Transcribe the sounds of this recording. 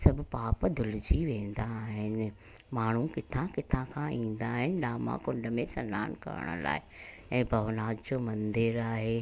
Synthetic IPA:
sɐbʱʊpaːpd̪ʱʊlɪd͡ʑiʋẽːn̆d̪aɦɪnɪ̆ | maːɳ̤ũkɪt̪ʰãkɪt̪ʰãkʰãĩːnd̪aːɦɪnɪ̆ɗaːmã̰kʊ̃ɳɖəmẽsɐnːaːnkɐ̰ɾə̰ɽ̃ʊ̰la̰ːɪ | ɛ̃ːbʱɐʋnaːd͡ʒd͡ʑoːmɐ̃nd̪ɪɾaːɦeː

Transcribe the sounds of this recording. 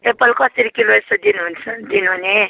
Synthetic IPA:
epəlkʌsiɾikiloesod̪inɦunt͡sʰd̪inɦune

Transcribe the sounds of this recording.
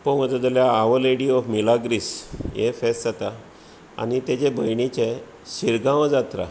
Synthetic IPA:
pəməd͡zəd͡zəljaːʋəleɽiɔfmilaɡɾisjefɛsd͡zat̪a | a̰nit̪ed͡ʑebəjɳit͡ɕe | ɕiɾɡãʋd͡zat̪ɾa̰

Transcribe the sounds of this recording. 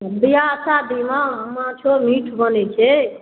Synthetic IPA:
ləbijasad̪imãɦəmãt͡ʃʰomiːʈʰbənet͡ʃʰe

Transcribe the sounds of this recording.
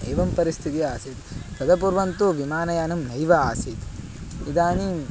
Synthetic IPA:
eːʋɐmpɐɾist̪ʰit̪iaːsiːt̪pɾɐd̪ɐp̬uːɾʋɐnt̪uʋimaːnɐjaːnɐmɦɐjʋɐaːsiːt̪ | id̪aːni

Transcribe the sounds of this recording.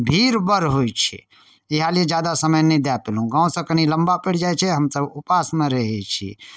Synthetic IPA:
bʱiɾbəɾɦojt͡ʃʰɛ̰ | iɦalied͡ʒjad̪asəməjnɛd̪japelũɡãːõsə̃kəniləmbapəɽd͡ʒajt͡ʃʰɛɦəmsəbupasmẽɾəɦɛt͡ʃʰḭ

